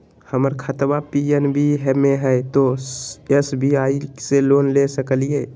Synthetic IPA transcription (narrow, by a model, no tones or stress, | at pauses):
həməɾkʰət̪bapienbʱiɦɛmeɦɛɪt̪oesbiaːiseloːnlesəkəlije